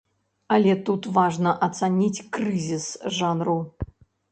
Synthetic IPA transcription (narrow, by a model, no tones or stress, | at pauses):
ɐlʲɛt̪ut̪vaʐnəʔɐt̪sanʲit͡sʲkrɨzʲisʐanru